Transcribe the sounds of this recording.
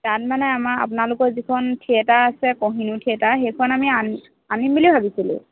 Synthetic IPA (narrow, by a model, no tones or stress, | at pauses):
tat̚manɛamaa̰pʊnalʊkɔɹzikʰɔntʰiɛtaasɛkɔɦinutʰiɛtaxejkʰɔnamian | animbilibʱabisilṵ̃